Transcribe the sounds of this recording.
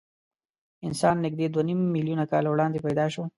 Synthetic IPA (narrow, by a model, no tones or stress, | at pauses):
ɪnsɑnːɪɡ̚d̪ed̪wanimːiljunakɑ̰lawɽɑnd̪epajd̪ɑʃo